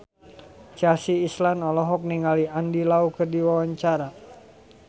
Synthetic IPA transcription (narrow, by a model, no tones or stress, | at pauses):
t͡ʃasiːslanɔlɔɦɔk̚niŋaliandilaukərdiwawaɲt͡ʃaɾa